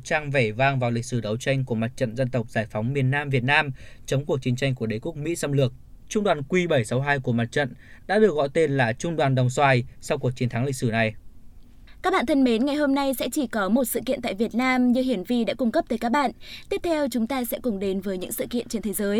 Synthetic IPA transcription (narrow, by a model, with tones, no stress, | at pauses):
t͡ɕaː˧ŋve˧˩vaː˧ŋvaː˨˩wlï˨˩k̟̚sɨ˧˩ɗə˨˦wt͡ɕa˧jŋ̟ku˧˩əma˨˩t̚t͡ɕə̰˧˨nzə˧nt̪ə˨˩wk͡p̚zaː˧˩jfa˨˦wŋ͡mmi˨˩ənːaː˧mvi˨˩ət̚naː˧mt͡ɕə˨˦ŋ͡mku˨˩ək̚t͡ɕi˨˦ŋt͡ɕa˧jŋ̟ku˧˩əɗə˨˦jku˦˥ək̚mḭ˧˥sa˧mlɨ˨˩ək̚ | t͡ɕʊ˧ŋ͡mɗwaː˨˩nkwi˧ɓə˧˩jsa˨˦wɦaː˧jku˧˩əma˨˩t̚t͡ɕə̰˧˨nɗa̰ː˧˥ɗɨ˨˩ək̚ɣɔ̰˧˥jt̪e˧nlaː˨˩t͡ɕʊ˧ŋ͡mɗwaː˨˩nɗə˨˩wŋ͡mswaː˧˩jsa˧wku˨˩ək̚t͡ɕi˨˦nt̪ʰa˨˦ŋlï˨k̟sɨ˧˩na˨˩j | ka˦˥k̚ɓa̰ː˧˨t̪ʰə˧nme˨˦nŋa˨˩jɦo˧mna˧jsɛ̰˧˥t͡ɕi˧˩kɔ˨˦mo˨˩t̚sɨ̰˧˨kḭ˧˨nt̪a̰ː˧˨jvi˨˩ət̚naː˧mɲɨ˧hi˧˩ənvi˧ɗa̰ː˧˥kʊ˧ŋ͡mkə˦˥p̚t̪əː˨˦jkaː˦˥k̚ɓa̰ː˧˨nt̪i˦˥əp̚t̪ʰɛ˧wt͡ɕʊ˨˦ŋ͡mt̪aː˧sɛ̰˧˥kʊ˨˧˩ŋ͡mɗe˨˦nvəː˨˦jɲɨ̰˧˥ŋsɨ̰˧˨kḭ˧˨ənt͡ɕe˧nt̪ʰe˨˦zəː˨˦j